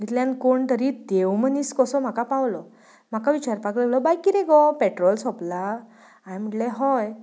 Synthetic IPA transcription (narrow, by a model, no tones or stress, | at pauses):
ɡit̪ljankoɳt̪əɾid̪ewməniskɔsɔm̤akapawlɔ | m̤akaʋit͡ɕaɾpakləlɔbajkiɾeɡɔpeʈɾɔlsɔpla | aɽm̤əʈleɦɔj